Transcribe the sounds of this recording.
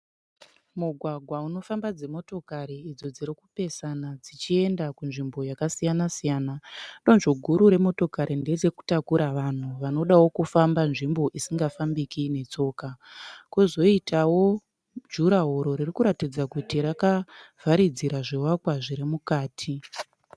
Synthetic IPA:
muɡʱwaɡʱwauno̞fambad͡ze̞mo̞to̞kaɾiːd͡zo̞d͡ziɾikupe̞sanad͡zit͡ʃie̞ndakunʐimbo̞jakasijanasijaːnaɗo̞nʐoɡʱuɾuɾe̞mo̞to̞kaɾʔinde̞d͡ze̞ku̥takuɾaʋan̤uʋano̞ɗawo̞kufambanʐimbo̞ʔisiŋɡafambikine̞t͡so̞ːkakuzo̞itʰawo̞ | d͡ʒuɾaɦoɾo̞ɾirikuɾatid͡zakutiɾakav̥ʱaɾid͡ziɾaʐiwakwaʐiɾimukaːtʰi

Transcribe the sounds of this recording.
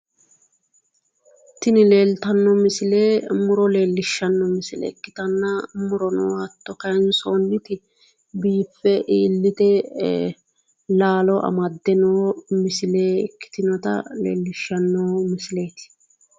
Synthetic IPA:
t̪ːɪnɪle̞ːlt̪ɐnːɔmɪsɪle̞ːmʊɾɔle̞ːlːɪʃːɐnːɔmɪsɪlɛ̰kːɪ̥t̪ɐnːɐmʊɾɔnɔwɐt̪ːɔkɐjnsoːnːɪt̪ɪ | biːfːɛʔiːlːɪt̪ɛ | laːlɔʔɐ̰mɐd̪ːɛnoːmɪsɪle̞ːkːɪ̥t̪ɪnɔt̪ɐ̰lḛːlːɪʃːɐnːoːmɪsɪle̞ːt̪ɪ̥

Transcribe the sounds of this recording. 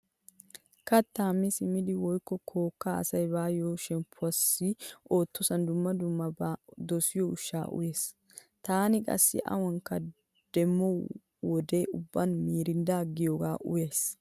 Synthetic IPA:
kɐt̪ːaːmːɪsɪmɪd̪ɪwɔjkːɔkʰo̞ːkːaɐ̰sɐjbaːjoːʃɛmpʰːʊɐsːɪʔo̞ːt̪ʰːɔsɐnd̪ʊmːɐd̪ʊmːɐd̪ɔsɪjɔʊʃːa̰ːʔʊ̰jeːs | t̪aːnɪkʼɐ̰sːɪ̰ʔɐ̰wɐŋkːɐ | d̪̥ɛmːɔ | wɔd̪eʊbːɐnmiːɾɪnd̪aɡːɪjoːɡaːʔʊ̰jes

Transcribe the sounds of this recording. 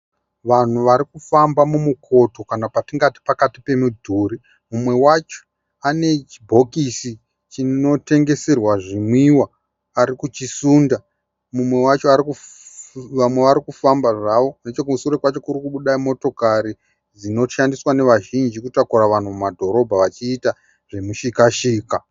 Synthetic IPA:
ʋan̤uʋaɾikufambamumukʰo̞to̞kanapatiŋɡati̥pakatipe̞mudʱuɾi | mumwe̞wat͡ʃo̥ | ane̞t͡ʃibʱo̞kisi | t͡ʃino̞te̞ŋɡe̞serwaʐimwiwaː | ɾikut͡ʃisuːnda | mumwe̞wat͡ʃo̞aɾiku | ʋamwe̞ʋaɾikufambaʐaʋo̞net͡ʃok̬umusuɾekwat͡ʃo̞kurikuɓuɗaimo̞to̞kaɾi | d͡zino̞ʃandiswane̞ʋaʒind͡ʒikutakuɾaʋan̤umumadʱo̞ɾo̞bʱaʋat͡ʃiːta | ʐe̞muʃikaʃiːka

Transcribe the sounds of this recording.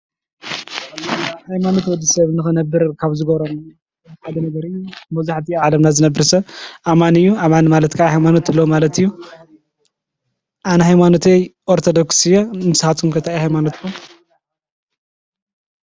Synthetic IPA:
hajmanot̪wɔd̪ːisɐβɨnɨxɨnɐbːɨɾkʰaβzɨɡɐβɾom | ħad̪ɐnɐɡɐɾiɨjːumɐzaħt̪ʰiʕalɐmnazɨnɐbːɨɾsɐβʔamanɨjːuamanmalɐt̪kʰahajmanot̪ɨlːomalɐt̪ɨjːu | ʔanɐhajmanot̪ejʔoɾt̪ʰod̪oksɨjomɨsɨhat̪kʰumkʰɐt̪ʰajhajmanot̪kʰum

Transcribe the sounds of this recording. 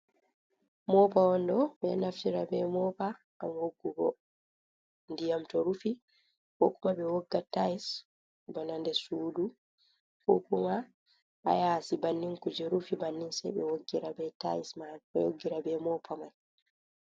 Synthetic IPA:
mɔpawɔndɔɓɛ̰naftiɾabɛmɔpa | ʔːmhoɡːubɔ | ndijamtɔɾufi | kokumaɓɛwɔɡːatais | bɔnandɛsuːdu | kokuma | ʔa̰jasibanːiŋkud͡ʒɛɾufibanːinsɛ̰ɓɛ̰woɡːiɾabɛta̰ismaɛwoɡːiɾabɛmɔpʰamaj

